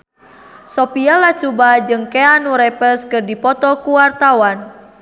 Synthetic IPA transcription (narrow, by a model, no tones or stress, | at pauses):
sɔpialat͡ʃubad͡ʒɨŋkɛanuɾɛpɛskɨrdipɔt̪ɔkuwart̪awan